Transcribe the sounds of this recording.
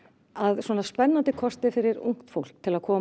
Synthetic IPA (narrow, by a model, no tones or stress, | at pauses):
aðswɔːnaspɛnːant̪ɪkʰɔst̪ɪfɪɾɪɾṵŋ̥kt̪fowl̥k̚t̪ʰɪlaðkʰɔː